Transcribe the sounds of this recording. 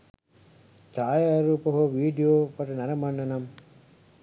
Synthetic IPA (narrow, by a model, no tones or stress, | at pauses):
t͡ʃaːjaːɾuːpɐɦoʋiːɖijoːpɐʈɐnɐɾɐmɐɳɖɐnɐm